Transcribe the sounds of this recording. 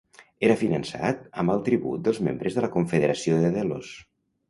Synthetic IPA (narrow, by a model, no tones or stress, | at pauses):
eɾəfinənsa̰t̪̚əmbəlˠt̪ɾiβṵt̪̚d̪əlˠzmḛmbɾəzðələkuɱfəðəɾəsioðəðelo̰s